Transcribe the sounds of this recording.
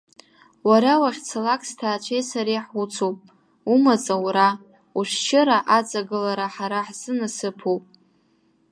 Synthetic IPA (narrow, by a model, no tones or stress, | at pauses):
waɾawaχʲt͡sʰalakʼstʰaːt͡ʃʷʰejsaɾejħut͡sʰowpʼ | umat͡sʼawɾa | uʃʷt͡ʃʰɪɾaʔat͡sʼaɡɨlaɾaħaɾaħz̥ɨnasɨpʰowpʼ